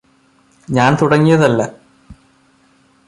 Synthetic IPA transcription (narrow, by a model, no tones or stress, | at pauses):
ɲaːnt̪uɽɐŋːijɐðɐlːɐ